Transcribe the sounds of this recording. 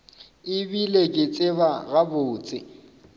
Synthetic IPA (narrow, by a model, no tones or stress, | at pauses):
ɪbilekʼɪt͡sʼɪbaɣaboːt͡sʼɪ̰